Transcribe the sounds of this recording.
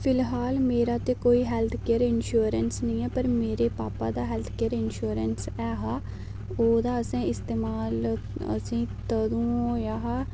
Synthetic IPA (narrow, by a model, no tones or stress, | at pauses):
fɪlɦaːlmeːɾaːt̪eːkoːiːɦɛːlt̪ʰkeːəɾɪnʃuːɾənsnəĩːɛːpəɾmeːɾeːpaːpaːd̪aːɦɛːlt̪ʰkeːəɾɪnʃuːɾənsɛːɦaː | oːd̪aːəsẽːɪst̪eːmaːlə̰sĩːt̪əd̪ũːoːjaːɦaː